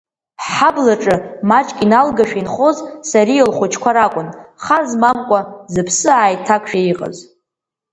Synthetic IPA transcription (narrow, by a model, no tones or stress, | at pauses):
ħablaʈ͡ʂʼɨmat͡ʃʼkʲʼinalɡaʃᶣinχo̞zsaɾijelχʷʊt͡ʃʰkʷʰaɾakʷʼʊnχazmamkʷʼazɨpʰsɨaːjtʰakʷʰʼʃᶣaiqʼə̰z